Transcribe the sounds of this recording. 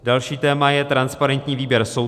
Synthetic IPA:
dalʃiːt̪ɛːmajɛt̪ɾanspaɾɛnt̪ɲiːviːbjɛɾso

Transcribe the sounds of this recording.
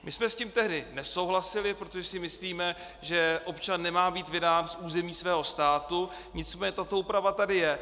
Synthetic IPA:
mɪsmɛsciːmt̪ɛɦdɪnɛso̞wɦlasɪlɪpɾo̞t̪o̞ʒɛsɪmɪsliːmɛ | ʒɛʔo̞pt͡ʃanːɛmaːbiːt̪vɪdaːnsʔuːzɛmiːsvɛːɦo̞st̪aːt̪u | ɲɪt͡smɛːɲɛt̪at̪o̞uːpɾavat̪adɪjɛ

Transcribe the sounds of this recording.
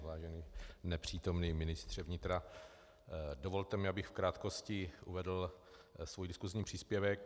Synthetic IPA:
laːʒɛniːnɛpr̝̥iːt̪o̞mniːmɪnɪst̪r̝̥ɛvɲɪt̪ɾa | dovo̞lt̪ɛmɪabɪxfkɾaːt̪ko̞scɪʔṵvɛdl̩svujdɪskuzɲiːpr̝̥iːspjɛvɛk

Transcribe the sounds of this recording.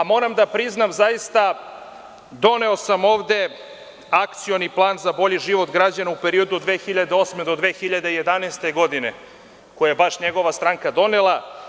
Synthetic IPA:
amo̞ɾamd̪apɾiznamzajist̪a | d̪o̞ne̞o̞samo̞ːʋd̪e̞ | akt̪sijoniplˠaːnzabo̞ʎiʒiʋo̞t̪ɡɾad͡ʑanaupe̞ɾio̞d̪uod̪ʋeːxiʎad̪eo̞smed̪o̞d̪ʋe̞ːxiʎad̪ejed̪aneːst̪e̞ɡo̞d̪ine̞ | kojajebaʃɲeɡo̞ʋast̪ɾaŋkad̪o̞nelˠa

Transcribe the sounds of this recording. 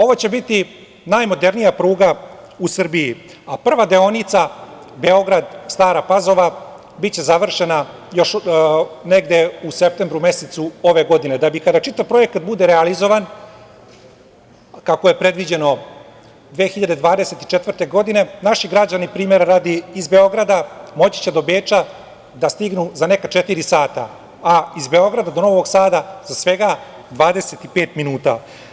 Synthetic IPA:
o̞ʋot͡ɕe̞bit̪i | najmo̞d̪e̞ɾnijapɾuːɡa | usr̩biji | apr̩ʋad̪eo̞nit̪sa | be̞o̞ɡɾad̪st̪aːɾapazo̞ʋa | bitt͡ɕe̞zaʋr̩ʃena | jo̞ʃ | neɡd̪e̞use̞p̚t̪embɾume̞set̪suo̞ʋe̞ɡo̞d̪ined̪abikad̪at͡ʃit̪aʋpɾo̞jekat̪̚bud̪eɾealizo̞ʋan | kakoje̞pɾe̞d̪ʋid͡ʑe̞no̞ | d̪ʋeːxiʎad̪e̞d̪ʋaːd̪e̞set̪i̥t͡ʃet̪ʋr̩t̪e̞ɡo̞d̪ine̞naʃiɡɾad͡ʑanipɾiːme̞ɾaɾaːd̪iːzbe̞o̞ɡɾad̪amo̞t͡ɕi̥t͡ɕed̪o̞beːt͡ʃa | d̪ast̪iɡnuzane̞kat͡ʃe̞t̪iɾisaːt̪a̰ | aizbe̞o̞ɡɾad̪ad̪ono̞ʋo̞ɡsaːd̪azasʋe̞ɡa | d̪ʋaːd̪e̞set̪ipe̞ːt̪minuːt̪a̰

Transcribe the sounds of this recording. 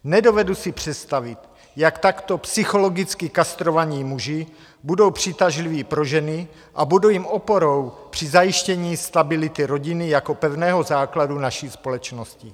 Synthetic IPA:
nɛdo̞vɛdusipr̝̥ɛt̪st̪avɪt̪ | jakt̪akt̪o̞psɪxo̞lo̞ɡɪt͡skɪkast̪ɾo̞vaɲiːmuʒɪ | budo̞wpr̝̥ɪt̪aʒliviːpɾo̞ʒɛnɪ | ʔabudowjimopo̞ɾowpr̝̥izajiʃcɛɲiːst̪abɪlɪt̪ɪɾo̞ɟɪnɪjako̞pɛvnɛːɦo̞zaːkladunaʃiːspo̞lɛt͡ʃnoscɪ

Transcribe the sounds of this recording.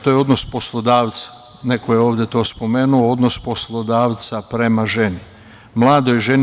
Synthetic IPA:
t̪ojeo̞d̪nospo̞slˠod̪aːʋt̪sḁ | ne̞kojeo̞ːʋd̪ʲje̞t̪o̞ːspo̞me̞ːnuoo̞d̪nospo̞slˠo̞d̪aːʋt̪sapɾe̞maʒe̞ni | mlˠaːd̪ojʒen

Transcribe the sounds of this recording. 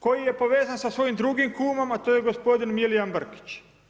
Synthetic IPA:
ko̞jije̞po̞ʋe̞ːzansasʋo̞jimd̪ɾuɡimkuːmomat̪oːjeɡo̞spo̞d̪inmilijambr̩ki̥t͡ɕ

